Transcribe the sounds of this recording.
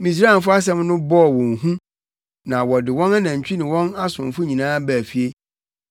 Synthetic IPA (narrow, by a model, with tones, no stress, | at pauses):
mĩ˨s̬ɾaː˦˨n̩˨fʊ˦a˦s̬ɛ̃˦mnʊ̃˦bɔ˦˨wɔ̃˨nɦũ˦ | nã˨wɔ˨dɪ˨wɔ̃˦na˦nã˨ɲ̩˨t͡ɕᶣi˦nɪ̃˨wɔ̃˦na˦sʊ̃˨mfʊ˦ɲĩ˨nãː˦bæ˨fi˨e˦